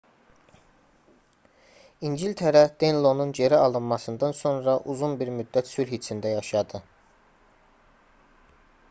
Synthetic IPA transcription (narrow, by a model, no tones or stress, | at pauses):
ind͡ʒilt̪ʰeɾæd̪̥enlˠo̞nund͡ʒe̞ɾæɑlˠɯnmɑsɯnd̪ɑnso̞nɾɑʔuzunbiɾmyd̪ːæt̪sylhit͡ʃʰind̪æjɑʃɑd̪ɯ